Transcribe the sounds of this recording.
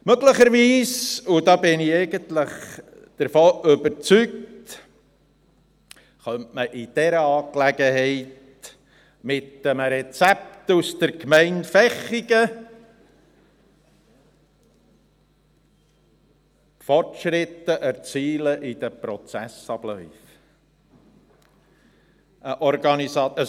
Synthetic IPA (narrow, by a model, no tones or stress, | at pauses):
møɡləχəɾʋiːsudɑbɪniɛɪɡənt̪ləχ | d̪̥əɾfoːʔʏbəɾt͡sykt | χœntməʔɪd̥ɛɾəɑːklæɡəhɛɪt | mɪtəmɾɛt͡sæp̚tusd̥əɾkmɛɪnfɛχiɡ̥ə | fɔrtʃɾɪt̪ːəʔæɾt͡siːləʔɪd̪̥əpɾɔt͡sæsɑblœʏf | əʔɔɾɡ̥ɑnisɑə